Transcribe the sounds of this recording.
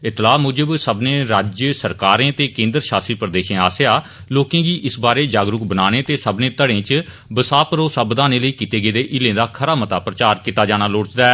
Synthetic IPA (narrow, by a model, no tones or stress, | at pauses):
ɪt̪laːmʊd͡ʒəbsəbnẽːɾaːd͡ʒjəsəɾkaːɾẽːt̪eːkẽːnd̪ɾʃaːsiːpɾəd̪eːʃẽːaːsejaː | loːkẽːɡiːʔɪsbaːɾeːd͡ʒaːɡɾʊk̚bənaːneːt̪eːsəbnẽːt̪əɽẽːt͡ʃ | bəsaːpəɾoːsəbd̪aːneːləiːkiːt̪eːɡeːd̪eːʔɪlẽːd̪aːkʰəɾaːmət̪aːpɾət͡ʃaːɾkiːt̪aːd͡ʒaːñaːloːɽt͡ʃd̪aːɛː